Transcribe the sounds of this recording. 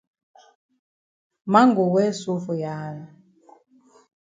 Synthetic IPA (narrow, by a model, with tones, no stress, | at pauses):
ma˦ŋɡu˨wɛ˦su˦fu˨jaː˦na˨